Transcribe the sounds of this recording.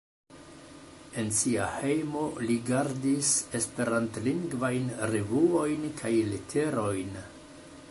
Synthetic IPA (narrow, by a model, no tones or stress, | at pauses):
e̞nsia̰he̞jmo̞liɡaɾdise̞spe̞ɾantliŋɡvajnɾevuo̞jnkʰajletʰe̞ɾo̞jn